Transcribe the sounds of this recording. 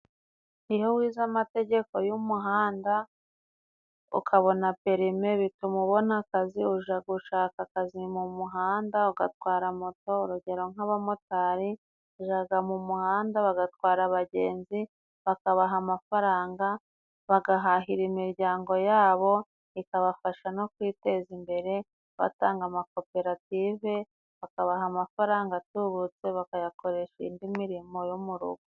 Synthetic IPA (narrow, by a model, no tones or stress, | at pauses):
ihowiːzamate̞ɟe̞ko̞jumuɦaːnda | ṵkʰaβo̞nape̞ɾime̞βitumuβo̞nakaziuʒaɡuʃaːkakazimumuɦaːndauɡa̰twaːɾamoto̞uɾuɟe̞ɾo̞ŋaβamo̞taɾi | uʒaɡamumuhaːndaβaɡatwaːɾaβaɟe̞ːnzi | βakaβaɦamafaɾaːŋɡa | βaɡaɦaɦiɾimiɾɟaːŋɡo̞jaːβo̞ | ikaβafaʃano̞kwiːte̞zimbe̞ɾe̞ | βa̰taːŋɡamako̞pe̞ɾative̞ | βakaβaɦamafaɾaːŋɡatuβut͡se̞βakajako̞ɾe̞ʃḭndimiɾimo̞jumuɾṵɡo